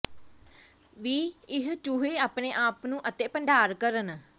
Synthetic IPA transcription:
ʋiːɪɦt͡ʃʊɦeːaːpneːʔaːpnũːʔət̪eːpəɳɖʱaːɾkəɾən

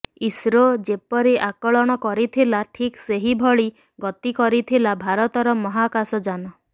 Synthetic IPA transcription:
isɾod͡ʒepɔɾiʔakɔɭɔɽ̃ɔkɔɾit̪ʰilaʈʰikseɦibʱɔɭi | ɡɔt̪ikɔɾit̪ʰilabʱaɾɔt̪ɔɾɔmɔɦakasɔd͡ʒanɔ

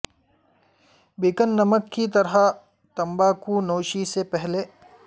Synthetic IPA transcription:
bikənːɐməkːit̪ɐɾɦa | t̪ɐmbaːkunoːʃisepɛɦle

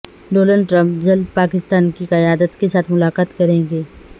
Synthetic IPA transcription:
ɖoːnəlɖʈɾɐ̃mpd͡ʒɐld̪̚paːkɪst̪aːnkiqɐjaːd̪ət̪kesaːt̪ʰmʊlaːqaːt̪kɐɾẽːŋɡeː

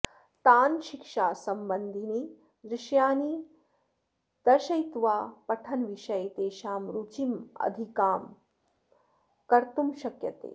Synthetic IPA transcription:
t̪aːnʃikʂaːsɐmbɐnd̪ʱini | d̪ɾɪʃjaːni | d̪̥ɐʃɐjt̪ʋaːpɐʈʰɐnʋiʃɐjt̪eːʃaːmɾut͡ʃimɐ̰d̪ʱikaːm | kɐɾt̪umʃɐkjɐt̪ḛː

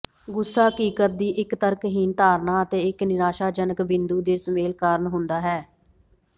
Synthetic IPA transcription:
ɡʊsːaːkiːkəɾ̚d̪iːʔɪkt̪əɾkɦiːnt̪aːɾnaːət̪eːɪknɪɾaːʃaːd͡ʒənəkbɪnd̪uːd̪eːsəmeːlkaːɾənɦʊ̃nd̪aːɦɛː

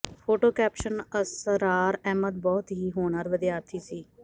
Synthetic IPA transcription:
pʰoːʈoːkɛːpʃənəsɾaːɾɛːməd̪̚bɔːt̪ɦiːɦoːɳəɾʋəd̪ɪjaːt̪ʰiːsiː

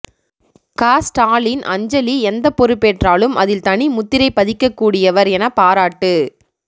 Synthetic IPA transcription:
kaːsʈaːlɪnʔɐ̰ɲd͡ʒɐliɛnd̪ɐpːɔɾɯpːeːʈraːlɯmʔɐ̰ðɪlt̪ɐɳimʊt̪ːɪɾɐɪpːɐðɪkːɐkːuːɽɪjɐʋɐɾɛnɐpaːɾaːʈːɯ

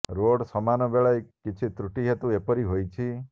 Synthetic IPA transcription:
ɾoɽsɔmanɔbeɭajkit͡ʃʰit̪ɾuʈiɦet̪uepɔɾiɦojt͡ʃʰi

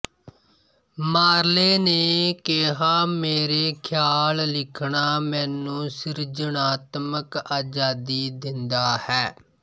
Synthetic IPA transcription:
maːɾleːneːkeːɦaːmeːɾeːkʰjaːllɪkʰɳaːmɛ̃ːnũːsɪɾd͡ʒənaːt̪məkaːd͡ʒaːd̪iːd̪ɪnd̪aːhɛː

